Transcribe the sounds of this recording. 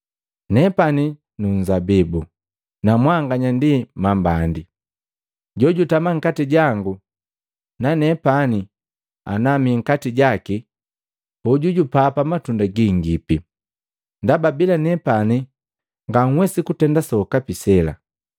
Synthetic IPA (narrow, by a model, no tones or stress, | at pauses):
nɛpani | nuɲzabibu | namwaŋɡaɲandimambandi | ɟɔɟutamaŋ̩katiɟaŋɡu | nanɛpani | a̰namiŋ̩katiɟaki | uɟuɟupapamatundaɡiŋɡipi | ndababilanɛpani | ŋɡaŋ̩wɛsikutɛndasɔkapisɛla̰